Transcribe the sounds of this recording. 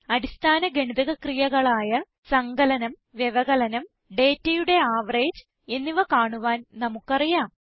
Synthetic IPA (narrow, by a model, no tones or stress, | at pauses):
ɐɾist̪ʰaːnɐɡeɳiðɐɣɐkrijɐɣɐɭaːjɐ | sɐŋɡɐlɐnɐm | ʋjeʋɐɣɐlɐnɐm | ɖeːtːɐjuɽe̞aːʋɐreːd͡ʑ | e̞nːiʋɐkaːɳuʋaːnnɐmukːɐrijaːm